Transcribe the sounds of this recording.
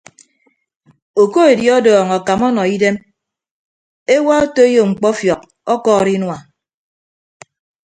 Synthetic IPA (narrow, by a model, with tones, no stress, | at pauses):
o˨ko˦e˨djɔ˦dɔː˨ŋɔ˨ka˨mɔ˦nɔ˨i˦de˦m | e˦wa˦o˦to˦e˦jo˨ŋ͡m̩˨k͡pɔ˦fjɔ˨k̚ | ɔ˦kɔː˦˨ɾi˦nwa˨